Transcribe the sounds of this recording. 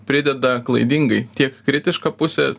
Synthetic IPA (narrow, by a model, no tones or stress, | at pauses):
pʲɾʲɪd̪ʲɛd̪ɐklˠɐɪd̪ʲiŋɡɐɪt̪ʲiɛkkɾʲɪt̪ʲɪʃkɐpʊsʲɛ